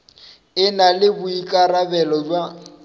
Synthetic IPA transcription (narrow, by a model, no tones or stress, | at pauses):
ɪnalɪbʊikʼarabɛlɔd͡ʒwa